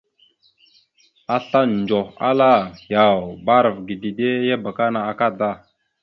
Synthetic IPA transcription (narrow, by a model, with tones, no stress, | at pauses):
a˨ɬa˦n˨d͡ʒo˨a̰˦la˦˨ja˨wba˦ɾə˨vɡi˨di˨de˦ja˦ba˨ka˦na˨a˨ka˦da˦˨